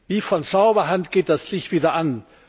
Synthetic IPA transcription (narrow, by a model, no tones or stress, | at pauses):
viːfɔnt͡saʊbɐɦantɡ̥eːt̚d̥aslɪçtv̥iːdɐʔan